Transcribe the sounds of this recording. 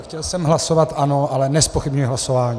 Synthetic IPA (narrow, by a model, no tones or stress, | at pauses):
xcɛlsɛmɦlaso̞vat̪ʔanoʔalɛnɛspoxɪbɲujɪɦlaso̞vaːɲi